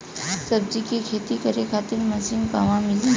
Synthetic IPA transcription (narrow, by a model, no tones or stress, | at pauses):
səb̚d͡ʑikekʰet̪ikəɾekʰat̪iːɾməsiŋɡpaʋãmili